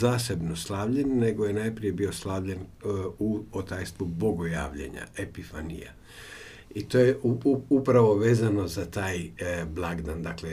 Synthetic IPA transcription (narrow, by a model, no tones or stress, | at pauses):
zaːse̞bno̞slˠaːʋʎenːe̞ɡo̞jenajpɾije̞bio̞slˠaːʋʎe̞nuot̪ajst̪ʋuboɡoja̰ːʋʎḛɲa̰epifanḭja̰ | it̪o̞ːjeupɾaʋo̞ʋeːzano̞zat̪aːjblˠaɡd̪and̪akle